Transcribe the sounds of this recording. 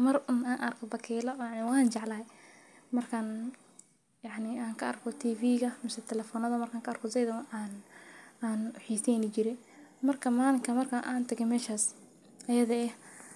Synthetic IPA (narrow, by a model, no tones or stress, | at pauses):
mɐrʊnaːnʔɐrkʰɔbɐkʰɛːlɐjɑʕnɪwɑːnt͡ʃɑʕlɐːj | mɐrkʰan | jɑʕnɪaːŋkʰɐɐrkʰɔt̪ʰiːfiːɣɐmɪsɛt̪ʰɛlɛfɔnɐðɐmɐrkʰaːŋkʰɐɐrkʰɔsɛjðɐwaːnaːnwʊħiːsɛjnɪt͡ʃɪɾɛ | mɐrkʰɐmaːlɪŋkʰɐmɐrkʰɐʔa̰ːnt̪ʰɐɣɛmɛːʃaːs | ɐjɐðɐɛ